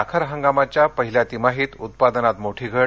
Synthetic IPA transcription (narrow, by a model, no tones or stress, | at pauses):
akʰəɾɦəŋɡamat͡ɕjapəɦiljat̪imaɦiːt̪ut̪̚pad̪ənat̪moʈʰiːɡʱə